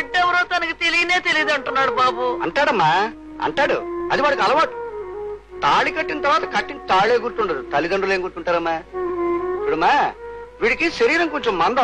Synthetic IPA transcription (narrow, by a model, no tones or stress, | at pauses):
iɖːɛʋɐɾoːt̪ɐnɐkit̪e̞lijine̞ːt̪eliid̪ɐɳʈunːaːɽubaːbuɐ̰ɳʈaːɽɐmːaː | ɐ̰ɳʈaːɽṵɐd̪iʋaːɭɐkɐlɐʋaːʈu̥ | t̪aːɭikɐʈːinɐt̪ɐɾʋaːt̪ɐkɐʈːint̪aːɭeːɡuɾt̪uɳʈaːɾut̪ɐlid̪ɐɳɖuleːŋɡuɾt̪uɳʈaːɾɐmːaː | puɽɐmːaːʋiːɽikiʃɐɾiːɾɐŋkoɲt͡ʃemːɐnd̪ɐ